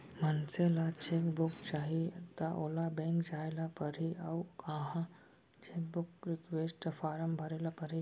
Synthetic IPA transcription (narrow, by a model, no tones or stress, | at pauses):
mənselat͡ɕekbukt͡ɕaɦiət̪aʔolabẽŋkd͡zajlapəɾiawkãɦã | t͡ɕek̚bukɾikʋesʈfaɾəmbʱəɾelapəɾi